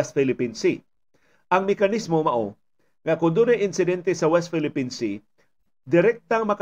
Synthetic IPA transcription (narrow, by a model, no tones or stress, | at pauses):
st̪̚fɪlɪpinsi | ʔɐŋmɛkɐnismomɐʔo | ŋɐkʊnd̪onɐjʔɪnsɪd̪ɛnt̪ɛsɐwɛst̪fɪlɪpinsi | d̪ɪɾɛk̚t̪aŋmɐk